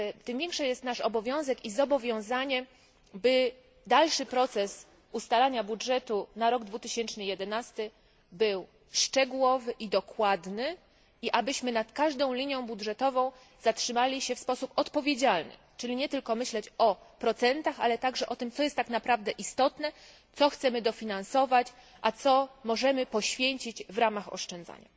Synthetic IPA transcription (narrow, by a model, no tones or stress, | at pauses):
t̪ɘmvʲjɛŋkʂɛjɛst̪naʂɔbɔvʲjɔ̃w̃zɛkizɔbɔvʲjɔ̃w̃zaɲɛ | bɘ | d̪alʂɘpɾɔt̪sɛs | ust̪alaɲabudʐɛt̪unaɾɔɡd̪vut̪ɘɕɛnt͡ʂnɘjɛd̪ɛnast̪ɘ | bɘw | ʂt͡ʂɛɡuwɔvɘʔid̪ɔkwad̪nɘ | iʔabɘɕmɘnat̪kaʐd̪ɔ̃w̃lʲiɲjɔ̃w̃budʐɛt̪ɔvɔ̃w̃ | zatʂɘmalʲiɕɛfspɔsupɔt̪pɔvʲjed͡ʑalnɘ̰ | t͡ʂɘlʲiɲɛt̪ɘlkɔmɘɕlɛt͡ɕɔpɾɔt̪sɛnt̪axalɛt̪aɡʐɛʔɔt̪ɘmt̪sɔjɛst̪ːaknapɾavd̪ɛʔist̪ɔt̪nɛ | t̪sɔxt̪sɛmɘd̪ɔfʲinansɔvat͡ɕ | ʔat̪sɔmɔʐɛmɘpɔɕfʲjeɲt͡ɕid͡ʑvɾamaxɔ̰ʂt͡ʂɛnd̪za̰ɲa̰